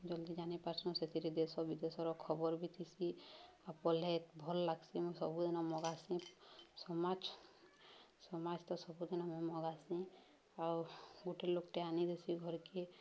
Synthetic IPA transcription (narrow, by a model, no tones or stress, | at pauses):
d͡ʒɔld̪id͡ʒanipaɾsɔ̃set̪ʰiɾid̪esɔbid̪esɔɾɔkʰɔbɔɾbit̪ʰisiapɔlet̪bʱɔllaɡsimɔ̃sɔbud̪inamɔɡasĩsɔmad͡ʒ | sɔmad͡ʒt̪ɔsɔbʱud̪inamɛmɔɡasĩ | awɡuʈelokʈeanid̪esiɡʱɔɾke